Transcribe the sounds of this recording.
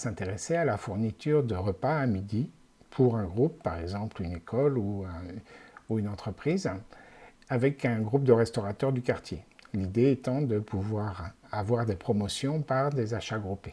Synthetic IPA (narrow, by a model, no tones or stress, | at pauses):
sɛ̃t̪eʁesealafuʁnit̪yʁd̪əʁəpaːmid̪i | pʰuʁɛ̃ɡʁupːaʁɛɡzɑ̃plynekɔluɛ̃ | uynɑ̃t̪χəpχiz | avɛkɛ̃ɡʁup̚d̪əʁɛst̪ɔʁat̪œʁd̪ykaʁt̪jelid̪eɛt̪ɑ̃d̪əpʰuvwaʁavwaʁd̪epχɔmɔsjɔ̃paʁd̪ezaʃaɡʁupe